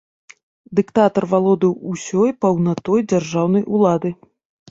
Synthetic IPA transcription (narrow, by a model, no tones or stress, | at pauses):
d̪ɨkt̪at̪ɐrvalˠɔd̪ɨwusʲɔjpɐwnat̪ɔjd͡zʲarʐawn̪ɐjʔulˠad̪ɨ